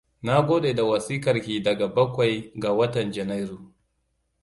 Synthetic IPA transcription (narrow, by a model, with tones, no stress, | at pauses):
na˦ɡʷoː˦ɗeː˨da˨wɐ˨siː˦kɐ˨ɾkʲiː˨dɐ˨ɡa˨bɐ˦kʷa˨jɡa˨wɐ˦tɐ˨nd͡ʒɛ˨na˦jɾu˨